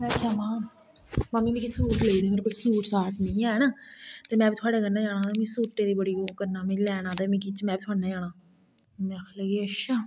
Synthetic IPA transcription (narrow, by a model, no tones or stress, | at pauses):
mɛ̃ːkaːmãː | maːmiːnĩːkisuːʈleid̪iːkolsuːʈsaːt̪nɪ̃ːɛːnaːt̪eːmɛ̃ːbiːt̪ʰʊaːɖeːkəɾnaːd͡ʒaːɽ̃ãːd̪aːmĩːsuːʈːeːd̪iːbəɽiːɡoːkəɾnaːmĩlɛːɽ̃ãːd̪aːmĩːkit͡ʃmɛ̃ːbiːt̪ʰʊaːɽnaːd͡ʒaːɽaː | mɛ̃kʰleːɡiːəʃaː